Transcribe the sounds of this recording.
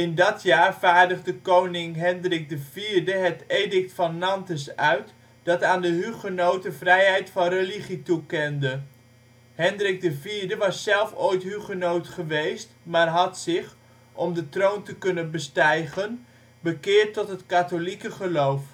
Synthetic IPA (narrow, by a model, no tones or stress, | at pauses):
ɪndɑtjaːɹvaːɹdəχdəkownɪŋɦɛndrɪk̚dəviːɹdəɦətejdɪk̚tfɑnːɑntəsœɥt | d̥ɑtaːndəɦyχənowtəvrɛjɦɛjtfɑnrəliχitukɛndə | hɛndrɪk̚dəviːɹdəʋɑsːɛlˠfoːjtɦyχənowtχəʋejstmaːrɦɑtsɪχ | ʔɔmdətrowntəkɵnənbəstɛjχən | bəkɪːɹtːɔtɦətkatolikəχəlowf